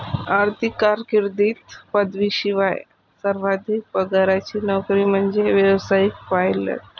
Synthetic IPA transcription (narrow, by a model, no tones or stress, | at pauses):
aɾt̪ʰikːaɾkiɾd̪iːt̪pəd̪ʋiːɕiʋaj | səɾʋad̪ʱik̚bəɡaɾjat͡ɕiːnɔkɾiːm̤əɳd͡zeʋjeʋsajik̚pajlə̰ʈ